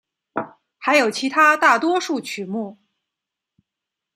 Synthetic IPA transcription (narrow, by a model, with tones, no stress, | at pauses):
xa˧˥ɪjo˨˩ʊt͡ɕʰi˧˥t̪ʰa˥t̪a˥˩t̪wɔ˥ʂu˥˩t͡ɕʰy˨˩mu˥˩